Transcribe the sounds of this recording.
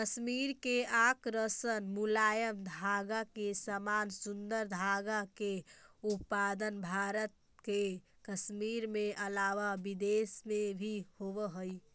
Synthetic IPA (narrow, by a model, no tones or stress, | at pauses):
kəsmiɾkeakɾəsənmulajəmd̪ʱaɡakesəmansund̪əɾd̪ʱaɡakeut̪̚pad̪ənbʱaɾət̪̚ | ke | kəsmiɾmeʔəlaʋabid̪esmebʱihoβəɦəj